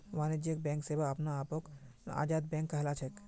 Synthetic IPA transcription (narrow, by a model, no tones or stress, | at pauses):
ʋaːnɪd͡ʒjək̚bɛ̃ːŋkseːbaɐpnaːpoka̰ːd͡ʒaːd̪̚bɛ̃ːŋkːɐɦlaːt͡ʃʰek